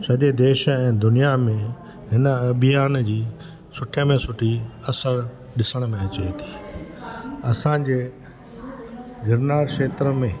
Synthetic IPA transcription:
sɐʄed̪eːʃɛ̃ːd̪ʊnijamẽ | ɦɪnəɐbʱɪjaːnd͡ʑiː | sʊʈʰəmẽsʊʈʰiɐsəɾ | ɗɪsəɽ̃mẽɐt͡ɕet̪ʰi̥ː | ɐsãd͡ʑeː | ɡʱɪɾnaːɾʃeːt̪ɾəmẽː

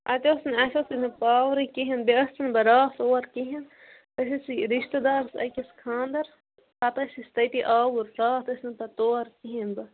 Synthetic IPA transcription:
ʔɐ̰t̪ʲoːsnɐsɐsinɐpaːwɾikiɦɐnbeɐst̪inbɐɾaːt̪oːɐɾkiɦin | t̪ɐsisiɾiʃt̪ɐd̪aːɾsɐ̰kʲiskʰãːnd̪ɐɾ | ɐt̪ɐsist̪ɐjt̪iʔaːwuɾɾaːt̪ɐsnɐpɐt̪oːɾkiɦinbɐ

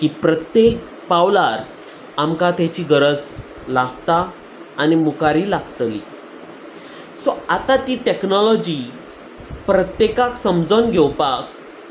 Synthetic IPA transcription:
kiːpɾət̪jek̚ | pawlaɾ | amkat̪at͡ɕiːɡəɾəd͡z | laɡt̪aː | nimukaɾiːlaɡt̪lḭ | sɔat̪at̪iːʈeknɔlɔd͡ʑi | pɾət̪jekaksəmd͡zonɡʱɛwpak̚

